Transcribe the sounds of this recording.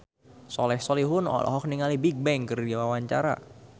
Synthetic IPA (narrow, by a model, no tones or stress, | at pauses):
sɔlɛhsɔliɦʊnɔ̰lɔ̰ɦɔk̚niŋalibiɡ̚bɛŋkɨrdiawawaɲt͡ʃa̰ɾa̰